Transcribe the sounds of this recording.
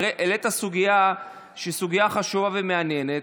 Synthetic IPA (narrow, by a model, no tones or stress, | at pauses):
eʔelet̪asuɡija | ʃeisuɡijaχaʃuvaveme̞anje̞net